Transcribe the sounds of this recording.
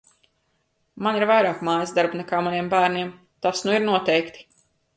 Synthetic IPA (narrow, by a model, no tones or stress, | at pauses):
maniɾvajɾaːkmaːjzd̪aɾbnɛkaːmaniɛmbæːɾniɛm | t̪asnuiɾnuɔt̪ɛjkt̪i̥